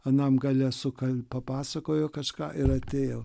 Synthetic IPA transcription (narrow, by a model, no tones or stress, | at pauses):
ɐnɐmɡɑːlʲɛsʊkɐlʲpɐpɑːsɐkoːjoːkɐʃkɑ̰ːʔɪɾɐt̪ʲeːjoː